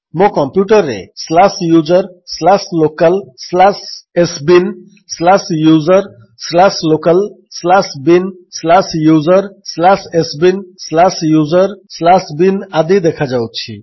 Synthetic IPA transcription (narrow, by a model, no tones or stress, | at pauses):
mõkɔmpjuʈəɾːḛslasjuzəɾslaslokəlslasesbin | slasjuzəɾ | slaslokəl | slasbinslasjuzəɾslasesbinslasjuzəɾslasbinad̪id̪ekʰad͡ʒaw̪̚t͡ʃʰḭ